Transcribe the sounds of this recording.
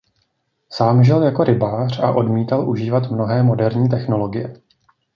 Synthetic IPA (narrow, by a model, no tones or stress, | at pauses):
saːmʒɪljako̞ɾɪbaːr̝̥aʔo̞dmiːt̪alʔuʒiːvat̪mno̞ɦɛːmo̞dɛɾɲiːt̪̬ɛxno̞lo̞ɡɪjɛ